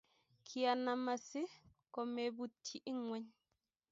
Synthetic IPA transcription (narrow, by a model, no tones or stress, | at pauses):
kʰianamasikɔmɛbutʰːiʔiŋwaɲ